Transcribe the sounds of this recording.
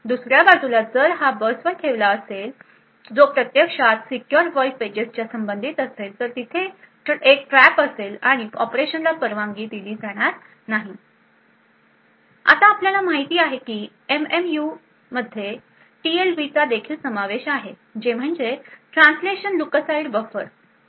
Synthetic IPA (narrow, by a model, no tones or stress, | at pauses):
d̪usɾjabad͡zulad͡zəɾɦabəsʋəɾk̪ʰeʋlaəsel | d͡zopɾət̪jəkʂat̪sikjɔɾʋɔifed͡ʑest͡ɕjasəmbənd̪ʱit̪əselt̪əɾt̪it̪ʰe | ʈek̚ʈɾæpəselaɽ̃iɔpɾeɕənlapəɾʋãŋɡiːd̪iliːd͡zaɽ̃aɾ | naɦi | a̰t̪aːpljalamaɦit̪iːaɦekiː | ememju | məd̪ʱje | ʈielbit͡sad̪ekʰiːlsəmaʋeɕaɦe | d͡ʑem̤əɳd͡zeʈɾãnsleɕənlukəsaiɖbəfəɾ